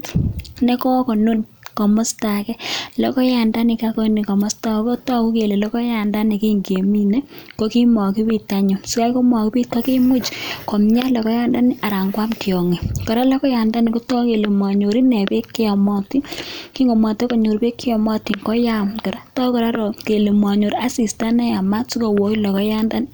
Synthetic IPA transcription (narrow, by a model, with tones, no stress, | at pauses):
tne˦kɔ˦ko˨nu˦n | kɔ˨mɔ˦sta˨kɛ˦lɔ˨˦kɔ˦ja˨nda˦ni˨ka˦kɔ˦ni˨kɔ˨mɔ˦sta˦˨ko˦tɔ˦ku˦ke˨le˨lɔ˦kɔ˦ja˨nda˦ni˨ki˦ŋɡe˨mi˦ne˦ | ko˦ki˦mɔ˨ki˦bi˦ta˨ɲo˨su˨ka˦jko˦mɔ˨ki˦pi˦t̚ka˦ki˦mu˦t͡ʃkɔ˨mɲa˦lɔ˨kɔ˦ja˦nda˦ni˦ʔa˨ɾa˨ŋɡwa˦mkjɔ˨ŋi˨kɔ˨ɾa˦lɔ˦kɔ˦ja˨nda˦ni˨ko˦tɔ˦ke˨le˨mwa˨ɲo˨ɾi˦ne˨pe˦kːi˦ɔ˨mɔ˦ti˦ki˦ŋo˨mɔ˨te˦ko˨ɲo˨ɾpe˦kːi˦ɔ˨mɔ˦ti˨ŋkɔ˦ja˦mkɔ˨ɾa˦tɔ˦kɔ˨ɾa˦ɾo˨ke˨le˨mwa˨ɲo˨ɾa˦si˨sta˦nɛ˦a˨ma˦su˦ko˨wo˨i˦lɔ˨kɔ˦ja˦nda˦n˦